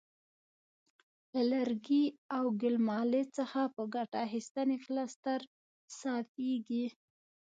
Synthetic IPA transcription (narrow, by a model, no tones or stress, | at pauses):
lalaɾɡiawɡɪlmɑlet͡səxapəɡaʈaːxist̪aneflast̪aɾ | sɑfeɡi